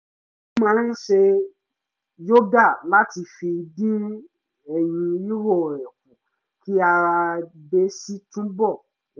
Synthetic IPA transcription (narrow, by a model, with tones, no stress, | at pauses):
mãː˦n̩˦ʃe˧ | jo˦da˦˨la˦ti˧fi˧dĩ˦ | ɛ˨j̃ĩ˧i˦wo˦˨ɛ˨k̚ũ˨ | ki˦a˧ɾa˧be˨˦si˦tũ˦bɔ˦˨